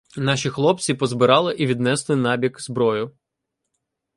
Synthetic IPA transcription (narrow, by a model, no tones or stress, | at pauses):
nɑʃʲixlˠɔp̪t͡sʲipɔzbɪɾɑlˠɪʔiʋʲid̪nɛslˠɪnɑbʲikzbɾɔjʊ